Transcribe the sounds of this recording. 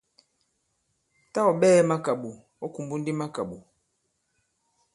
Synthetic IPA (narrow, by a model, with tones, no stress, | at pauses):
ta˦ɔ˨ɓɛː˦ma˦ka˨ɓu˨ | ɔ˦ku˨mbu˦n̩˦di˦ma˦ka˨ɓu˨